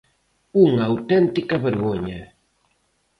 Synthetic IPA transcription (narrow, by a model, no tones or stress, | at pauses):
uŋawt̪ɛnt̪ikɐβeɾɣoɲa